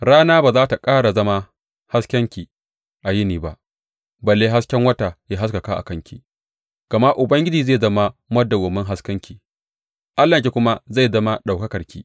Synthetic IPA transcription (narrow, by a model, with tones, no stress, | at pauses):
ɽaː˦naː˦baː˨zaː˦ta˨kʼaː˦ɽa˨zɐ˦ma˦ | ha˦skʲɐ˦ŋkʲi˨ | ʔa˨jɪ˦niː˨ba˦ʔ | bɐ˨lːeː˦ɦa˦skʲɛ˦ŋwɐ˦ta˨jaː˦ɦa˦skɐ˨kaː˦ʔa̰˨kɐ˦ŋkʲḭ˦˨ | ɡ̥ɐ˨ma˦ʔʊ˨bɐ˦ŋɡʲɪ˦d͡ʒiː˨zeː˦˨zɐ˦ma˦mɐ˦da˨ɡɔ˨mːɪ˦ŋɦa˦skɐ˦ŋkʲiː˨ | ʔa˦lːɐ˨kʲi˨kʷʊ˦ma˦za˦˨zɐ˦ma˦ɗa˨kɐ˦kɐ˨ɾkʲiː˦